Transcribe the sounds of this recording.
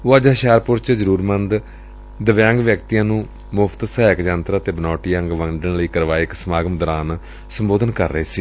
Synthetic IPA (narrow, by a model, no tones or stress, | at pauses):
aːd͡ʒɦʃaːɾpʊɾt͡ʃd͡ʒəɾuːɾmənd̪ | d̪əʋjãːŋɡʋjək̚t̪ijãːnũː | mʊpʰt̪sɛːɪkd͡ʒãːnt̪ɾaːt̪eːbənɔːʈijãːŋɡʋəŋɖənləiːkəɾʋaːɪksəmaːɡəmd̪əɾaːn | səmboːd̪ənkəɾːəeːsiː